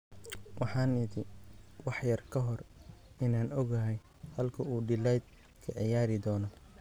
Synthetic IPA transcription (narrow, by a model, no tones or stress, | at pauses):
wʔɑħɑːnɪd̪ɪwɑħjɐrkʰɐɦɔrɪnaːnɔɡɐɦɛj | hɐlkʰɐuːɖɪlɛjd̪̚ | kʰɐ̰ʕɪjaːɾɪd̪ɔːnɔ